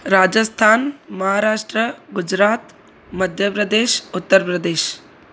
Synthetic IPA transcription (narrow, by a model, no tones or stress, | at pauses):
ɾaːd͡ʒəst̪ʰaːnmɐɦaːɾaːʂʈɾəɡʊd͡ʒɾaːt̪ | məd̪ʱjəpɾəd̪eːʃʊt̪ːəɾpɾəd̪eːʃ